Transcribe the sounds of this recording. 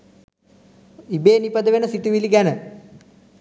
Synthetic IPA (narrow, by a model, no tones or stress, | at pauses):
ibeːnipəd̪əʋenəsiʈ̪iʋiliɡænə